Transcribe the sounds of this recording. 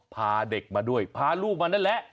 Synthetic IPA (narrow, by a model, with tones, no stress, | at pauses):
pʰaː˧de˨˩k̚maː˧du˥˩əjpʰaː˧luː˥˩k̚maː˧naː˥˩lɛ˦˥ʔ